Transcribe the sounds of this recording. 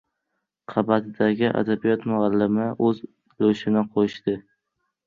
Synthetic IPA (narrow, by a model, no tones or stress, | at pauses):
qʰɑbat̪ʰɪd̪aɡʲɪʔa̰d̪abijɒt̪mʊɑlːɪmɪʔɵz | loʃɪnɪqʰoʃt̪ɪ